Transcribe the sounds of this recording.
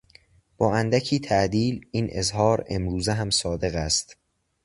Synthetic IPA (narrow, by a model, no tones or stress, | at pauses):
b̥ɒːænd̪æcʰiːt̪ʰæʔd̪iːliːnʔe̞̰zhɒːɾe̞̰mɾuːzeɦæmsɒːd̪e̞ɣæst̪